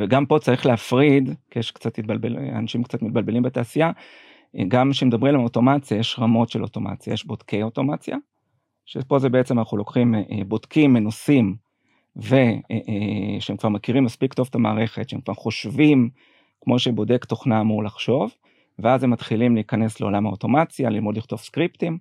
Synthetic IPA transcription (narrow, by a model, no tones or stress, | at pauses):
veɡampo̞t͡saʁiχleafʁid̪kijeʃkt͡sat̪mit̪̚balbela̰naʃimkt͡sat̪mit̪̚balbe̞limbetaːsija | ɡamʃemed̪abʁimlemoto̞mat͡sjajeʃʁamo̞tʃelo̞to̞ma̰t͡sja̰jeʃbo̞d̥̪kʰe̞jo̞to̞mat͡sja̰ | ʃepo̞zebeet͡semanaχulokχimebo̞d̥kʰimːenosim | ve̞eʃeemkv̥aʁmakiʁimːaspikt̪o̞vtama̰ːʁeχe̞tʃeemkvaʁχo̞ʃvim | kmo̞ʃebo̞de̞kt̪o̞χnamuʁlaχʃo̞v | veazemːat̪χilimliːkane̞sleo̞̰lamhaoto̞mat͡sjalilmo̞dliχt̪o̞vskʁiptim